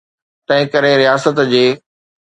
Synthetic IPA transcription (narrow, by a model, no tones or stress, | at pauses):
t̪ɐ̃ɦɪ̃kɐɾeɾijaːsət̪d͡ʑeː